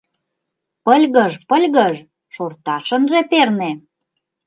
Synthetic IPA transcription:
pəlʲɣəʒpəlʲɣəʒ | ʃort̪ɑʃə̆nʒeperne

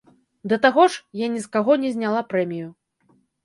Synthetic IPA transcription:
d̪ɐt̪aɣɔʂjanʲiskaɣɔnʲɛzʲnʲalˠapɾɛmʲiju

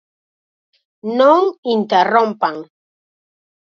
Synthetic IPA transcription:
nɔŋintɛrɔ̃mpaŋ

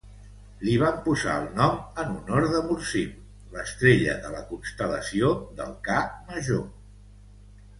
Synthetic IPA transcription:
liβ̞ampuza̰əlˠnɔmənunoɾðəmuɾsim | ləst̪ɾeʎə̰ðələkunst̪ələsioðə̰lˠkaməʒo

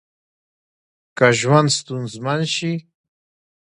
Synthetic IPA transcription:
kaʒwand̪st̪unzmanʃi

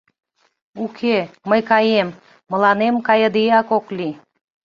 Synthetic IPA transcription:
ukʰeːəjkɑjemː | ə̆lˠɑnemkɑjɤ̆d̪ijɑkoklʲi

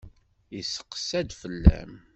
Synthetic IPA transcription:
isə̥qːsæd̪fəlːæ̰m

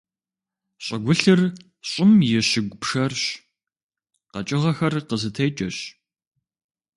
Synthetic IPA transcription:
ɕʼɐɡʷʊɬɨr | ɕʼɪmjɛɕɪɡʷʊpʂɐrɕ | qɐt͡ʃʼɪʁɐxɐrqəzɨtʰɐjt͡ʃʼɐɕ

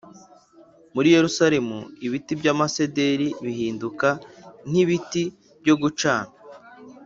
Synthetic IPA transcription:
muɾije̞ɾusaɾe̞mṵiβitibɟaːmasede̞ɾiβiɦiːndukan̥iβiti | bɟo̞ɡut͡ʃaːŋa

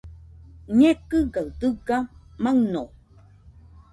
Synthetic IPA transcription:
ɲekɨɡawd̪ɨɡamaŋno

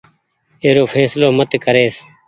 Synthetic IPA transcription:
eːɾoːfʰɛːsloːmət̪kəɾeːs

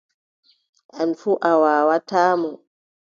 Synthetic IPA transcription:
ʔanfuʔawaːwataːmɔ

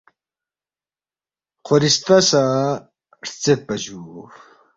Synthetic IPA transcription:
qʰoɾist̪ɐsa | ɾt͡set̪̚pɐʑuː

